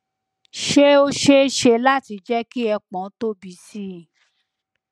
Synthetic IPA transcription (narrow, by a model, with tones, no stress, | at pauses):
ʃe˦o˦ʃe˦ʃe˧la˦ti˧d͡ʒɛ˦ki˦ɛ˧k͡pɔ̃˨˦to˦bi˨˦si˦˨